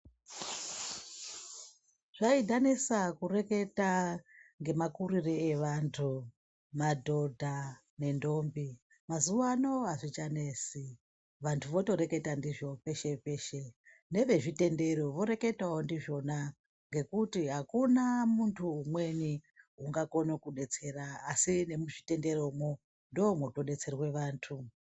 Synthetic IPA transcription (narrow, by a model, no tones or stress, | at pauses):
ʐ̥aidʱanesakure̞ke̞taŋɡe̞makuɾireeʋantʰu | madʱo̞dʱa | ne̞ndo̞mbi | mazuʋano̞ɦaʐit͡ʃane̞si | ʋantʰuʋo̞to̞ɾe̞ke̞tandiʐo̞pe̞ʃe̞pe̞ʃe̞ | ne̞ʋe̞ʐite̞nde̞ɾoʋo̞ɾe̞ke̞taondiʐo̞na | ŋɡe̞kutiɦakunamuntʰuːmwe̞niuŋɡako̞nokuɗe̞t͡se̞raːsine̞muʐite̞nde̞ɾomo | ndoːmwoto̞ɗe̞t͡se̞rwe̞ʋaːntʰu